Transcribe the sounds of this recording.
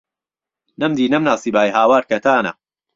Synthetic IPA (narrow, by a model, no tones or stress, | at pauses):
nɐmd̪iːnɐmnaːsibaːjɦaːwaːɾkɐt̪ʰaːnɐ̰